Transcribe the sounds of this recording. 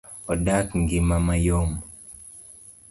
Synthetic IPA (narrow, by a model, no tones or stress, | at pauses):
ɔdakŋɡimamajom